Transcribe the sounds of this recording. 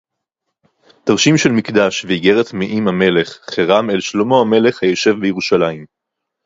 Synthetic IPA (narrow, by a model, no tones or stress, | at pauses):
d̥aʁʃimʃelmikdaʃveiɡe̞ʁetmiʔimhame̞le̞χχeʁamelʃlomo̞ame̞le̞χhajoʃe̞vbejeʁuʃalaim